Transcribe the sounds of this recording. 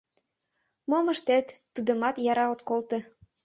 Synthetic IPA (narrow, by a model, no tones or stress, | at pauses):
momə̆ʃt̪et̪ːud̪ə̆mɑt̪jɑɾɑot̪kolt̪e